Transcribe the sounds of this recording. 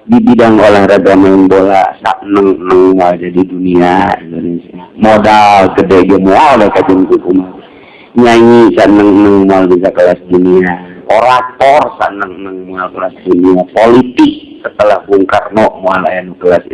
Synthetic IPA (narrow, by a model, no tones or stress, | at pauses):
ɡibidaŋolahraɡamajaŋbola̰sa̰ʔnəŋənəŋmoald͡ʒadiduniasonisamodalkədɛɡəmoaldakad͡ʒəŋt̪ukuman | ɲaŋisaʔnəŋənəŋmoalbis̬akəlasduniaoɾat̪ɔrsa̰ʔnəŋənəŋmoalkəlasduniapolit̪ɪk̚sət̪əlahbuŋkarnɔʔmoala̰janukəlas